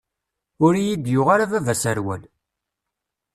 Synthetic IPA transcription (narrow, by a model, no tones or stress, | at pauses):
ʊɾjid̪jʊʁaɾavævæsæɾwæl